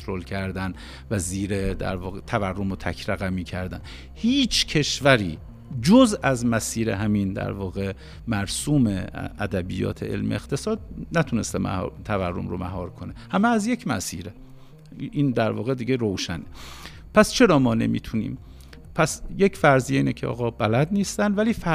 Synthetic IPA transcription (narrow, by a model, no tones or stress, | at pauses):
t̪ɾolcʰæɾd̪æn | væziːɾed̪æ̰ɾvɒːɣet̪ʰæværːomot̪ʰækʰɾæɣæmiːcʰæɾd̪æn | hiːt͡ʃʰcʰe̞ʃvæɾiː | d͡ʒozæzmæsiːɾḛɦæmind̪æ̰ɾvɒːɣe̞ | mæɾsuːmeʔæd̪æbijɒ̰ːt̪ʰḛʔḛlmḛext̪ʰe̞sɒːd̪̚næt̪ʰune̞st̪emæ̰t̪ʰæværːo̞̰mɾo̰mæɦɒːɾkʰonehæmeæzje̞cʰmæ̰sḭːɾe | iːnd̪æɾvɒːɣed̪iːɡeɾowʃæne | pʰæst͡ʃʰe̞ɾɒːmɒːne̞̰mḭːt̪ʰunḭːm | pʰæsje̞cʰfæɾzieiːnecʰeʔɒ̰ːɣɒːbælæd̪niːst̪ænvæliːfæ